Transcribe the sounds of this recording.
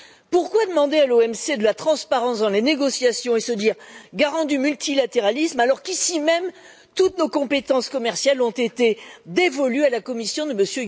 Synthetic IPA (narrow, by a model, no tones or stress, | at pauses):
puʁkwad̪əmɑ̃d̪ealoɛmsed̪əlat̪χɑ̃spaʁɑ̃sd̪ɑ̃leneɡɔsjasjɔ̃esəd̪iːʁɡaʁɑ̃d̪ymylt̪ilat̪eʁalismalɔʁkisimɛm | t̪ut̪nokɔ̃pet̪ɑ̃skɔmɛʁsjalɔ̃t̪et̪ed̪evɔlyalakɔmisjɔ̃d̪əməsjø